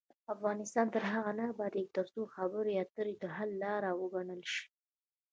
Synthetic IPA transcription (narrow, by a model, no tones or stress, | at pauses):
afɣɑnɪst̪ɑnt̪əɾɦaɣanabad̪jek̚t̪aɾsuxabəɾeat̪əɾed̪əɦalːɑɾawəɡaɳəlʃi̥